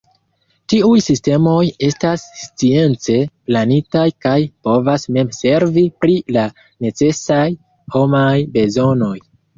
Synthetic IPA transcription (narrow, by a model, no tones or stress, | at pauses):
tiujsiste̞mo̞je̞stasːt͡sie̞nt͡se̞planitajkajpo̞vasme̞mse̞ɾvipɾila | ne̞t͡se̞saj | ho̞majbe̞zo̞no̞j